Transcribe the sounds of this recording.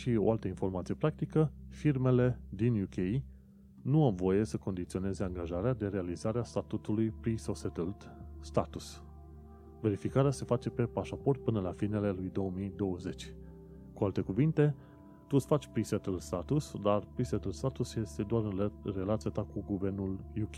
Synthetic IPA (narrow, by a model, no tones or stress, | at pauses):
ʃio̞̰alt̪əinfo̞rmat̪sijepɾak̚t̪ikəfirme̞le̞d̪injukʰej | nuawvo̞je̞səko̞nd̪it̪sio̞ne̞ze̞aŋɡaʒaɾead̪e̞ɾe̞alizaɾeast̪at̪ut̪ulujpɾisoset̪ld̪st̪at̪us | ve̞ɾifikaɾease̞fat͡ʃe̞pe̞paʃapo̞rt̪̚pɨnəlafirne̞le̞lujd̪o̞əmijd̪o̞wəze̞t͡ʃʲ | kualt̪e̞kuvint̪e̞ | t̪usfat͡ʃʲpɾiset̪əld̪st̪at̪usd̪arpɾiset̪əld̪st̪at̪usje̞st̪e̞d̪oaɾɨre̞lat̪sijat̪akuɡuve̞rnuljukʲe